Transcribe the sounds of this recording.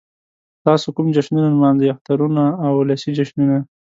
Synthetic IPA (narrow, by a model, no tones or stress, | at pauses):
t̪ɑsokumd͡ʒaʃnunanmɑnzeaft̪aɾunaːwlasid͡ʒaʃnuna